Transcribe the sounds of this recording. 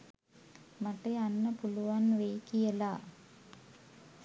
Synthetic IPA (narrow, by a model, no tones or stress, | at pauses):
maʈeanːəpuluʋanʋejkijəla